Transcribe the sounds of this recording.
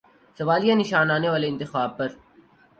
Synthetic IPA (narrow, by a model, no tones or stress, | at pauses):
sɐʋaːlijãnɪʃaːnaːneʋaːleɪ̃nt̪ɪxaːb̚pɐɾ